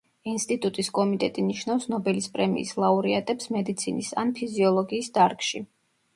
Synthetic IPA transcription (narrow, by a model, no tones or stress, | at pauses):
inst̪ʼit̪ʼut̪ʼiskʼɔmit̪ʼɛt̪ʼiniʃnavsnɔbɛlispʼɾɛmḭːslˠauɾiat̪ʼɛpsmɛd̪it̪sʰinisa̰npʰiziɔlˠɔɡiːsd̪aɾkʼʃi